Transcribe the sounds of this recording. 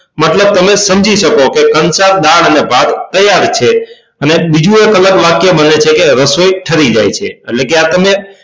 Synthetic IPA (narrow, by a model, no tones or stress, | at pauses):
mət̪ləb̚t̪əmesəmd͡ʒʱiʃəkokekənsaɾd̪aɭənebʱad̪t̪əjaɾt͡ʃʰe | ənebid͡ʒũekələɾʋakijebənet͡ʃʰekeɾəsojʈʰəɾid͡ʒajt͡ʃʰḛəlekeat̪əme